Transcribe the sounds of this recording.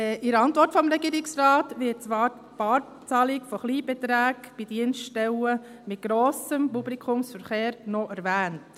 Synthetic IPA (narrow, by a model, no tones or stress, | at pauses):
ʔɪɾəɑntʋɔɾtfɔmɾɛɡiːɾɪksrɑːtʋɪt̚t͡sʋɑːɾt | pɑːɾ | t͡sɑlɪkfɔχliːbɛt̪ɾæːɡb̥id̥iənstɛwə | mɪt̚ɡ̥ɾoːsəmpublikʰʊmsfəɾχeːɾnɔʔæɾvæːnt